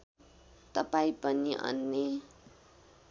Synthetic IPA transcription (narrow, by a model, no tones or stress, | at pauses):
t̪ʌpaĩpʌniʔʌ̰nːe